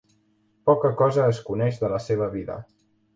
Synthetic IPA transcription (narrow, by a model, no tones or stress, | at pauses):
pɔkəkɔzəːskunɛʒðələseβ̞əβiðə̰